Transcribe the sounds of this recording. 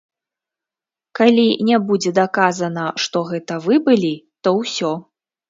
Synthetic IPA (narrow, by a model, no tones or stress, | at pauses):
kalʲinʲɛbud͡zʲɛd̪akazɐnɐʂt̪ɔɣɛt̪ɐvɨbɨlʲit̪ɔwsʲɔ